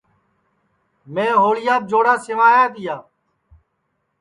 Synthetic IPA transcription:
mẽːɦoːlɪjaːb̚d͡ʒoːɽaːsɪʋaːjaːt̪ɪjaː

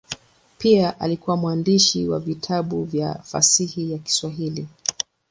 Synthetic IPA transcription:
piaʔa̰likuwamwandiʃiwa̰vitʰaɓuvja̰fa̰sihijaki̥swaɦili

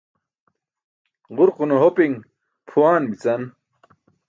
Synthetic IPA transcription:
ʁuɾqunoɦopiŋ | pʰuwaːnmit͡sɐn

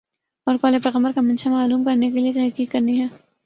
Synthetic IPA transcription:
ɔːɾkɔːlepɛːɣə̃mbəɾkamɐ̃nʃamaːluːmkɐɾnek̬eliet̪ɛɦkiːkːɐɾniɦɛː

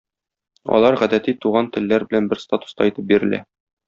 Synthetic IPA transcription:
ɒ̰lˠɑɾʁæd̪æt̪it̪uʁɑnt̪ɘ̆lːæɾbɘ̆lænbɘɾst̪at̪u̥st̪ɑit̪ɘp̚biɾɘ̆læ̰

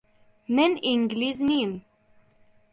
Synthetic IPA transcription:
məniŋɡliznim

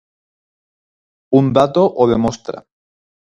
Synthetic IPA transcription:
und̪at̪oʔoðemost̪ɾa̰

